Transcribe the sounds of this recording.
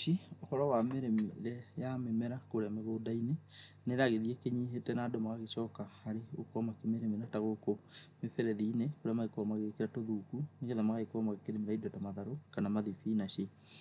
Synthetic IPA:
iohɔɾɔwameɾɛmɾɛjamemɛɾakoɾeameɣoːdaine | neɾaɣeðiɛkeɲiɦetɛnadɔmaɣaɣesɔːkahaɾeo̰kɔmakemeɾemenataɣokomefɛɾɛðiːnekoɾeamaikɔmaɣekeɾatoðuːkuneɣeðamaɣaekɔmaɣekeɾemeɾaidɔtamaðaɾokanamaðifinaɕe

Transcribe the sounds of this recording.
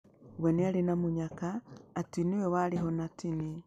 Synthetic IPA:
wenialinamuɲakaːtiniwewaliɦonatini

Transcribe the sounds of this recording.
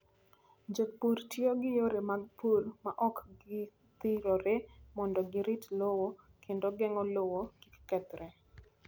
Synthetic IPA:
d͡ʒek̚puɾtjoɡɪjoɾemaɡ̚pʰulmaʔɔkɡɪ | t̪ɪɾɔɾemɔndɔɡɪɾitlowo | kʰendoɡɛŋɔlowokikkɛt̪ɾɛ

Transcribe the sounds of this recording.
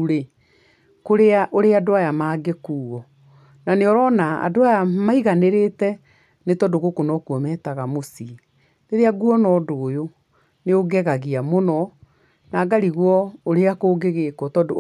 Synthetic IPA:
ɾe | koɾeaʔoɾeadoajamaːɡekuːɣɔ | naneɔɾɔnaa̰doajamaiɣaneɾetɛ | netɔdoɣokonɔkuɔmɛːtaɣamosi | neðeaɡuɔnɔːdoːjo | neoɡɛɣaɣiamonɔ | naːɡaɾiɣwɔoɾeakoːɡeɣekɔtɔdo

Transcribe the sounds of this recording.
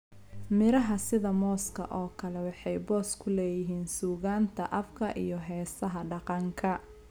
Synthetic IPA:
mɪɾɐɦɐsɪðɐmɔːskʰɐ̰ʔɔːkʰɐlɛwɑħɑjbɔːskʰʊlɛːjɪɦiːnsuːɣaːnt̪ʰɐʔɐfkʰɐʔijɞɦɛːsɐɦɐɖɑqɑŋkʰɐ

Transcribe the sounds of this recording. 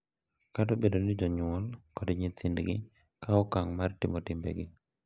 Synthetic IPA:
kadobedonid͡ʒɔɲʊɔlkɔdɲɪt̪indɡɪ̰ | kaɔkaŋmartɪmɔtɪmbɛ̰ɡɪ

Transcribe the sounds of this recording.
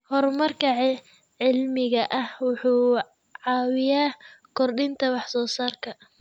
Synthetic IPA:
hɔrmɐrkʰɐʕɛ | ʕɪlmɪɣɐʔɐhwʊħuː | ʕɑːwɪjaːkʰɔrɖɪnt̪ʰɐwɑħsɔːsaːrkʰɐ

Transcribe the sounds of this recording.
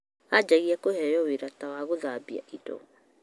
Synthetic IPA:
ad͡ʒɛɣiɛkohɛjɔweɾatawaɣoðaːbia̰ʔidɔ̰

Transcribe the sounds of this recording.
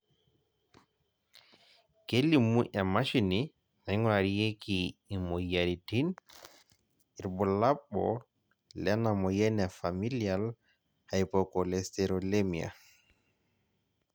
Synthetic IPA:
kelːimuʔamaʃini | najŋwaɾijekiːmɔjaɾitin | iɾbɔlaɓːɔ̰ | lɛnamɔjɛnɛfamilial | hajpɔkɔlɛstɛɾɔlemia̰

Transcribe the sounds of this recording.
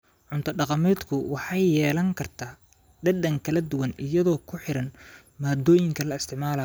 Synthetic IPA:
ʕʊnt̪ʰɐɖɑqɑmɛːd̪kʰʊwɑħɑjjɛːlɐŋkʰɐrt̪ʰaː | ɖɐɖɐŋkʰɐlɐd̪ʊwɐnɪjɐðɔːkʰʊħɪɾɐn | maːd̪ɔːjɪŋkʰɐlɐɪst̪ʰɪʕmaːlɐ

